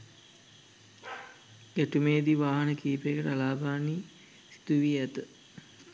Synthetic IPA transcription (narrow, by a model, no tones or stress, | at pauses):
ɡeʈumeːd̪iʋaːɦɐnəkiːpekəʈəalaːbaːniː | si̥d̪uʋiːæt̪ə